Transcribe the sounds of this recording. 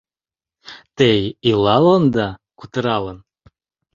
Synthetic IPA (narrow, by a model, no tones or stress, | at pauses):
t̪ejilˠɑlˠond̪ɑkut̪əɾɑlˠən